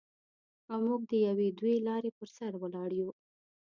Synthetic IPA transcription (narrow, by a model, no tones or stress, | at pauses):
amuɡ̚d̪əjawed̪welɑɾepəɾsaɾwəlɑɽju